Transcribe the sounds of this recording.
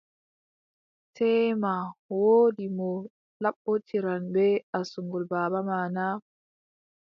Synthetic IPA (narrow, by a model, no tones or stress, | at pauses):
tʰɛːmawoːdimɔ | laɓːɔtʰiɾanbɛasuŋɡɔlbaːbamaːna